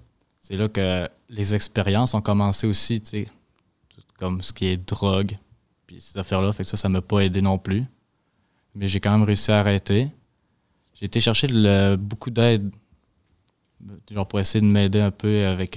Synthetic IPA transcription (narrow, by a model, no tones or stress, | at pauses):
sɛlakə | lezɛkspeʁjɑ̃sɔ̃kɔmɑ̃seosit͡se | t̪u̥t̪kɔmsə̥kʲiɛd̪ʁɔɡ | pi̥sezafɛʁlafaksʌsaməpɔed̪enɔ̃ply | mɛʒekɑ̃mɛ̃mʁeysiaːʁɛt̪e | ʒeːt̪eʃɛʁʃed̪ləbokʰud̪ɛːd̪ | ʒɑ̃puʁɛesɛjed̪əmɛd̪eɛ̃pʰøavɛk